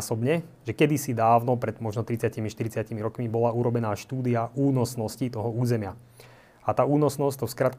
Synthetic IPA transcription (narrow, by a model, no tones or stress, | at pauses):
sɔbɲɛʒɛkɛd̪isid̪aːʊnɔpɾɛd̪mɔʒnɔt̪ɾit͡sɪacimiʃt̪iɾit͡sɪacimiɾɔkmibɔlauɾɔbɛnaːʃt̪uːd̪iauːnɔsnɔscit̪ɔɦɔuːzɛmɪa | at̪aːuːnɔsnɔsct̪ɔfskɾaːt̪k